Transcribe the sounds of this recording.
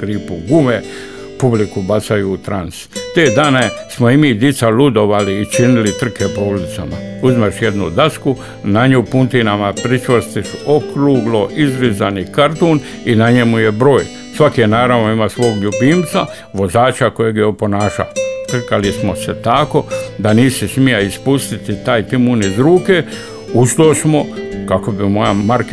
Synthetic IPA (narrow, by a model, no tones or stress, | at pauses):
ɡ̥ɾiːpuɡume | publikubat̪sajuːt̪ɾanst̪eːd̪aːnesmoimid̪jit̪salud̪o̞ʋaliːt͡ʃinilit̪r̩kepoulit̪samauzmeʃje̞d̪nṵd̪asku | naɲuːpunt̪inamapɾit͡ʃʋost̪isuʔokɾuːɡlo̞ʔizɾizanikaɾt̪oːn | inaɲemuje̞bɾo̞ːj | sʋakijenaːɾaʋnoimaːsʋo̞ːɡʎubiːmt̪sa | ʋo̞zaːt͡ʃako̞jeɡjeopo̞naːʃa̰t̪r̩kalismoset̪ako̞d̪aniːsismijaispust̪it̪it̪aːjt̪imunizɾuːke | uʃt̪oːsmo̞kako̞bimo̞jamaɾk